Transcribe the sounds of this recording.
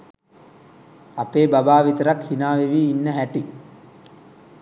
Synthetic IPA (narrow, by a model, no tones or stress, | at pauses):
ɐpeːbɐbaːʋit̪ɐɾɐkhinaːʋeʋiːnːəɦæʈi